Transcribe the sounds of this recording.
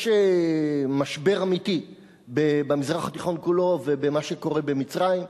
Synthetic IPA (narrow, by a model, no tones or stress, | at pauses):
ʃe | maʃbe̞ʁamit̪i | bebamizʁaχat̪iχo̞nkulo̞ve̞bemaʃeko̞ʁe̞be̞mit͡sʁaim